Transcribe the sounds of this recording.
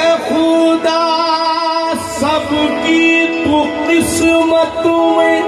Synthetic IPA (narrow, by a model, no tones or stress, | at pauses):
xod̪aː | sɐbkit̪ũqɪsmət̪õẽ